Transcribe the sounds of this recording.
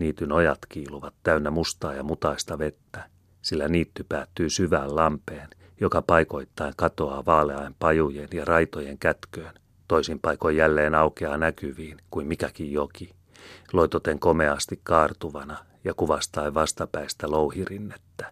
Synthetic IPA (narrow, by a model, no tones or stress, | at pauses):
niːt̪ynojɑt̪kiːluʋɑt̪tæynːæmust̪ɑːjɑmut̪ɑist̪ɑʋet̪ːæ | silːæniːt̪ːypæːt̪ːyːsyʋæːllɑmpeːn | jokɑpɑiko̞it̪ːɑiŋkɑt̪o̞ɑːʋɑːleɑimpɑjujenjɑrɑit̪ojeŋkæt̪køːn | t̪oisimpɑikojːælːeːnɑukeɑnækyʋiːnkuimmikækijjoki | lo̞it̪ot̪eŋkomeɑst̪ikkɑːrt̪uʋɑnɑ | jɑkuʋɑst̪ɑiʋɑst̪ɑpæist̪ælouhirinːet̪ːæ̥